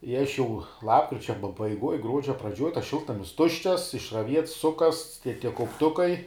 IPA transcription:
ɪ ɐʃ ˈjɛʊ ˈlˠɑːpkrʲɪt͡ʃʲɛ pɐbɐɪˈɡuɔj ˈɡruɔd͡ʒʲɛ ˈprɑːd͡ʒʲoːj tɐs ˈʃʲɪlˠtnɐmʲɪs ˈtʊʃʲt͡ʃʲɛs ɪʃrɐˈʋʲiɛts ˈsʊkɐsts tʲiɛ tʲiɛ kɐʊpˈtʊkɐɪ

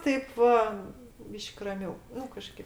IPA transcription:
ˈtɐɪp ʋɐ ˈbʲiːʃʲkʲ rɐˈmʲɛʊ ˈnʊ kɐˈʃʲkʲeːp

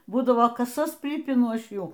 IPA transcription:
ˈbuːdɐʋoː ˈkɑːsɐs ˈpʲrʲiːpʲɪnʊ ˈɐʃ ˈjuː

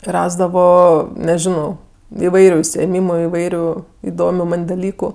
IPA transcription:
ˈrɑːzdɐʋoː nʲɛˈʒʲɪnoː ɪˈʋɐɪrʲʊ ʊʃʲsʲɪeːˈmʲiːmʊ ɪˈʋɐɪrʲʊ ɪˈdoːmʲʊ ˈmɐnʲ dɐˈlʲiːkʊ

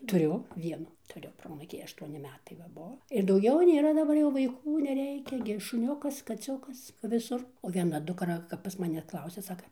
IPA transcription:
tʊˈrʲʊ ˈʋʲiɛnʊ tʊˈrʲʊ ˈproːɐnuːkʲiː ɐʃˈtuɔnʲɪ ˈmʲæːtɐɪ ʋɐ ˈbuɔ ɪr dɐʊˈɡʲɛʊ ˈnʲeːrɐ dɐˈbɐr ʋɐɪˈkuː nʲɛˈrʲɛɪkʲɛ ɡʲɪ ʃʊˈnʲʊkɐs kɐˈt͡sʲʊkɐs ʋʲɪˈsʊr oː ʋʲiɛˈnɐ dʊkˈrɐ kɐp pɐs mɐˈnʲɛ ˈklˠɐʊsʲɛ ˈsɑːkɐ

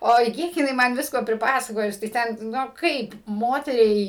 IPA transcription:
ˈoːɪ ˈkʲiɛk jɪˈnɐɪ ˈmɐn ˈʋʲɪskoː pʲrʲɪˈpɑːsɐkoːjʊs tɐɪ ˈtʲɛn ˈnʊ ˈkɐɪp ˈmoːtʲɛrʲɛɪ

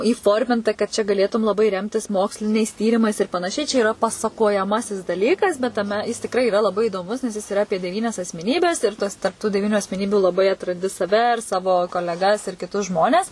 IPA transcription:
iːˈfoːrʲmʲɪntɐ kɐt t͡ʃʲɛ ɡɐˈlʲeːtʊm lˠɐˈbɐɪ ˈrʲɛmʲtʲɪs ˈmoːksʲlʲɪnʲɛɪs ˈtʲiːrʲɪmɐɪs ɪr pɐnɐˈʃʲɛɪ t͡ʃʲɛ iːˈrɐ pɐsɐkoːjɛˈmɑːsʲɪs dɐˈlʲiːkɐs bʲɛt tɐˈmʲɛ ˈjɪs tʲɪkˈrɐɪ ɪˈrɐ lˠɐˈbɐɪ iːdoːˈmʊs nʲɛs jɪs ɪˈrɐ ˈɑːpʲiɛ dʲɛˈʋʲiːnʲɛs ɐsʲmʲɛˈnʲiːbʲɛs ɪr ˈtuɔs tɐrp tuː dʲɛˈʋʲiːnʲʊ ɐsʲmʲɛˈnʲiːbʲuː lˠɐˈbɐɪ ɐtrɐnʲˈdʲɪ sɐˈʋʲɛ ɪr ˈsɑːʋoː koːlʲɛˈɡɐs ɪr kʲɪˈtʊs ˈʒmoːnʲɛs

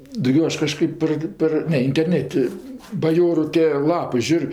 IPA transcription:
dɐʊˈɡʲoː ˈɐʃ kɐˈʃkɜp pɐr ˈpɐr ˈnʲɛ ɪnʲtʲɛrʲˈnʲæːtʲɪ bɐˈjoːrʊ tʲeː ˈlˠɑːpɜ ˈʒʲuːrʲ

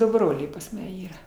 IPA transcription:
ˈdʊ ˈbroːlʲɛɪ pɐs ˈmɐ ˈiːrɐ

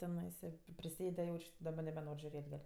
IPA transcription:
tʲɛˈnɐɪsɐ pʲrʲɪsʲˈeːdʲɛ jɛʊt͡ʃʲ dɐˈbɐ nʲɛbʲɛˈnoːrʲ ʒʲʊˈrʲeːtʲ dɐr

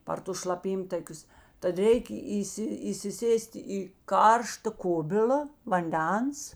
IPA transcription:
pɐr ˈtʊs ʃlˠɐˈpʲiːmtɐkʲʊs tɐt ˈrʲɛɪkʲ ˈiːsʲɪ iːsʲɪˈsʲeːsʲtʲ ɪ ˈkɐrʃtɐ ˈkʊbʲɪlʲɐ ʋɐnʲˈdʲɛns

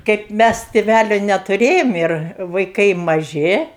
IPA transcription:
kɐɪp ˈmʲæs tʲeːˈʋʲælʲoː nʲɛtʊˈrʲeːjoːm ɪr ʋɐɪˈkɐɪ mɐˈʒʲɪ

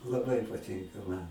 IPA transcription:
lˠɐˈbɐɪ pɐˈtʲɪŋkɐ ˈmɐn

